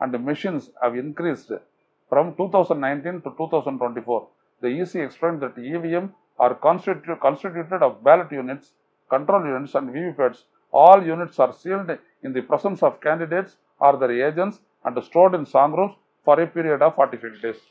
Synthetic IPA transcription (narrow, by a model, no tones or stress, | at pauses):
ʔæ̃ɳɖmɪʃĩnshæʋɪ̃nkɾiːsɖ | fɾɔ̃mʈuːt̪ʰaʊsə̃ɳɖnãɪ̃nʈĩnʈuʈuːt̪ʰaʊsə̃ɳɖʈwẽɳʈifoːɾ | d̪iiːsiːɛksplẽːɳɖd̪æʈiʋiẽm | aːɾkɔ̃nʈʈukə̃nsʈiʈjuːʈeɖɔːʋbæːləʈjuːnɪʈs | kɐ̃ɳʈɾoːljuːnɪʈsæ̃ɳɖʋiːʋiːpeɖs | ʔɔːljuːnɪʈsaːɾsiːlɖ | ɪ̃nd̪ipɾɛsə̃nʈsɔːʋkæ̃ːɳɖɪɖeːʈs | ʔaːɾd̪eɾeːd͡ʒɛ̃nʈs | ʔæ̃ɳɖsʈoːɖɪ̃nsãːŋɡɾuːps | fɔːɾepiːɾijəɖɔːʋfɔːɾʈifiʈ̚ɖeːs